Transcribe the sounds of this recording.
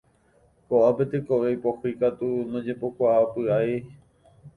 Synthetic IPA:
koʔapet̪ekoʋejpohikat̪unõd͡ʒepokʷaʔapɨae

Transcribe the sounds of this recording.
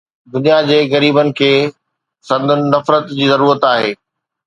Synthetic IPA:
d̪ʊnijad͡ʑeːɣɐɾiːbənɪ̆kʰeː | sɐ̃nd̪ʱʊnɪnɐfɾət̪d͡ʑiːzɐɾuːɾət̪aːɦeː

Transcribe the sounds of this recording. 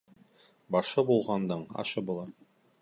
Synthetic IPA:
bɑʃɤbulˠʁɑnd̪ɤɴɑ̰ʃɤbulˠɑ

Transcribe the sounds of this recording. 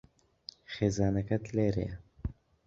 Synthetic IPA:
χeːzaːnɐkɐt̪leːɾḛj

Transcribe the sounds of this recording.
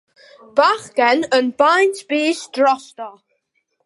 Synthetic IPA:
b̥axɡɛnənbajntb̥iːʃdɹɔst̪ə

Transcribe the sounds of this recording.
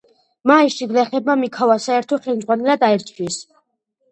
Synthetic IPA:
maiʃiɡlɛχɛb̚mamikʰavasaɛɾt̪ʰɔχɛlmdzʁwanɛlad̪aɛɾt͡ʃʰwis

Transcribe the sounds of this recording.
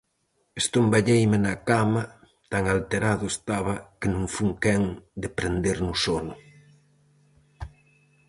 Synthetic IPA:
est̪ombaʎejmɪnakamɐ | t̪aŋalt̪eɾaðʊest̪aβɐkenũŋfuŋkɛŋd̪epɾend̪eɾnʊsonʊ

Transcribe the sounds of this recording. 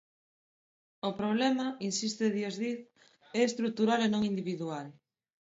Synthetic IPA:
opɾoβlɛmainsist̪eðjezðið | ɛest̪ɾuk̚t̪uɾalenõŋind̪iβ̞iðual

